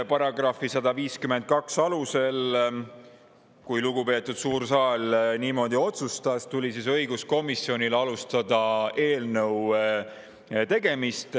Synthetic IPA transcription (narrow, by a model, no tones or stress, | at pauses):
pɑɾɑɡrɑfisɑd̪ɑviːskymed̪̚kɑksɑluse̞l | kujluɡ̥upe̞ːt̪ːˑud̪̥suːɾsɑːlniːmo̞d̪̥io̞t̪sust̪ɑst̪ulʲisisɤ̞jɡusko̞misio̞nʲilɑlust̪ɑd̪ɑe̞ːlnəw | t̪e̞ɡ̥e̞mist̪